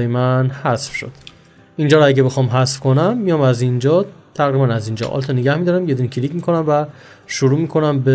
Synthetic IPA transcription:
jemænhæsfʃo̰d̪̥ | ind͡ʒɒːɾɒæɟebe̞xɒːmɦæsfkʰonæmːijɒːmæzind͡ʒɒːt̪ʰæɣɾibænæzind͡ʒɒ̰ʔɒ̰lt̪ʰɒneɟæhmid̪ɒːɾæmjed̪unicʰilicmikʰo̞næmvæ | ʃoɾuːmiːkʰo̞næmbe

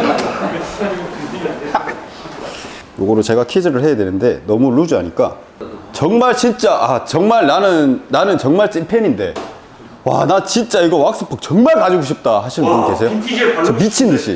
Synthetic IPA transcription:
joɡʌɾot͡ɕe̞ɡakʰid͡ʑʌɾɯɭhe̞jadwenɯnde̞nʌmuɭud͡ʑiaɲik͈a̰ | t͡ɕʌŋmaɭt͡ɕint͡ɕ͈aʔat͡ɕʌŋmaɭnanɯnːanɯnt͡ɕʌŋmaɭt͡ɕ͈impʰeɲinde̞̰ | wa̰nat͡ɕint͡ɕ͈aiɡowak̚s͈ɯ̥pʰʌk̚t͡ɕʌŋmaɭkad͡ʑiɡoɕ̬ʰip̚t͈ahaɕʰinɯnɯkesʰe̞jot͡ɕʌmit͡ɕʰindɯɕʰḭ

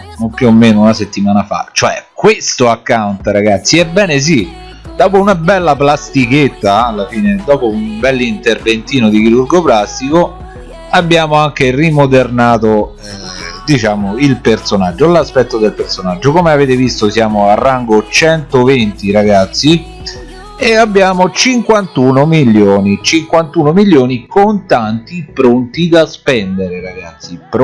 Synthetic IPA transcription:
nompjuomːeːnounaset̪ːimaːnafa̰t͡ʃːoɛkwest̪oakːawnt̪aɾaɡat̪sːiɛbɛːnes̬i | d̪̥ɔːpounabɛlːaplast̪iket̪ːaːlːafiːned̪ɔːpoumbɛlːint̪ervent̪iːnod̪ik̟iɾurɡoplast̪iko | abːjaːmoaŋk̟erimod̪ernaːt̪o | d̪it͡ʃaːmoilpert̪sonad͡ʒːolaspɛt̪ːod̪elpersonad͡ʒːokomeaveːt̪evist̪osjaːmoarːaŋɡot͡ʃɛnt̪ovent̪iɾaɡat̪sːi | eabːjaːmot͡ʃiŋkwant̪uːnomiljoːnit͡ʃiŋkwant̪uːnomilːjoːnikont̪ant̪ipɾont̪id̪aspɛnd̪eɾeɾaɡat̪sːipɾ

